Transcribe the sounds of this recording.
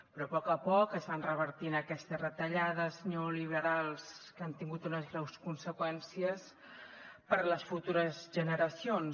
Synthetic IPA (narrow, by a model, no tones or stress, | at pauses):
pɾɔpɔkəpɔkəzβanrəβəɾt̪inəkɛst̪əsrət̪əʎaðəznoliβ̞əɾalˠskant̪iŋɡut̪unəzɣɾɛwskunsəkwɛnsiəs | pəɾləsfut̪uɾəzʒənəɾəsion